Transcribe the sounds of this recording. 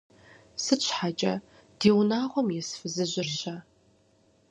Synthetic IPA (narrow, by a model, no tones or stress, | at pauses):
sɨt͡ʃʷʰħat͡ʃʼɐ | d̥eːwnaːʁʷɔmjɛsfɨzɨʑʷɪrɕa